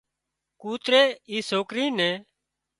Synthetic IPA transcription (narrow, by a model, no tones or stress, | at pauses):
kuːt̪ɾeːiːsoːkɾiːnɛ̃ː